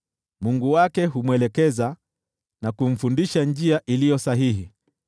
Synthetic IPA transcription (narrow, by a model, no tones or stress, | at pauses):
muŋɡuwakɛɦumwɛlɛkɛza | nakum̩fundiʃand͡ʒiaʔilijɔsaɦiɦi